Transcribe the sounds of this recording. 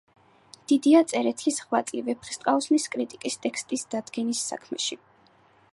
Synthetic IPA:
d̪̥id̪iat̪sʼɛɾɛt̪ʰisʁvat̪sʼivɛpʰχi̥st̪ʼqʼaɔsniskʼɾit̪ʼikʼist̪ʼɛkst̪ʼisd̪̥ad̪ɡɛnisːa̰kʰmɛ̰ʃi

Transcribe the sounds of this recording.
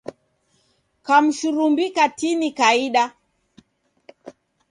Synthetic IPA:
kam̩ʃuɾumbikatinikaiɗa

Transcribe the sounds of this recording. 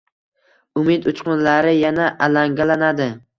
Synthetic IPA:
ʊmɪt̪ʊt͡ʃqʊnlaɾɪjanaʔalaŋɡʲalanad̪ɪ

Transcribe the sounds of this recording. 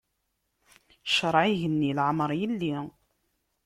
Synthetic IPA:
ʃəɾˤʕiʝənːilʕmɾˤjəlːi

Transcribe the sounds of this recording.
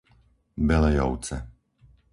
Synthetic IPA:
bɛlɛjɔʊt͡sɛ

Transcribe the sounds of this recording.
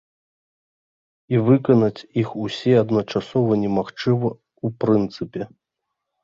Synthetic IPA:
ivɨkɐnɐt͡sʲixusʲɛɐd̪nɐt͡ʂasɔvɐnʲɛmaxt͡ʂɨvɐ | upɾɨnt̪sɨpʲɛ

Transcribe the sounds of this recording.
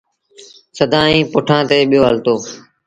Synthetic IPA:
səd̪ʱãːĩːpʊʈʰãːt̪eːɓɪjoːɦəlt̪oː

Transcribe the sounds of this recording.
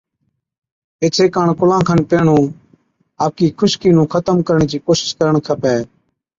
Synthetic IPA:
et͡ʃʰeːkaːɳkʊlãːkʰənpeːɳũː | aːp̚kiːkʰʊʃkiːnũːkʰət̪əmkəɾɳẽːt͡ʃiːkoːsɪ̥skəɾəɳkʰəpɛː

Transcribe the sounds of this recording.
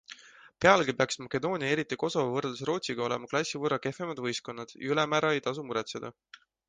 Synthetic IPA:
pe̞ɑlɡ̥ipeɑksmɑkˑe̞d̪o̞ːnʲiɑe̞ɾit̪ːˑiko̞sovɑvɤrlus̬ro̞ːt̪ʲsiɡ̥ɑo̞le̞mɑklɑsʲːivɤrːɑke̞fe̞mɑd̪̥vɤjsko̞nːɑd̪̥jɑ̰ylɛmæːɾɑe̞jt̪ɑs̬umuɾɛt̪sed̪ɑ

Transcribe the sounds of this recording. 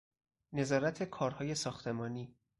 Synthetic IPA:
ne̞zɒːɾæt̪ʰe̞kʰɒːɾhɒːje̞sɒːxt̪ʰe̞mɒːniː

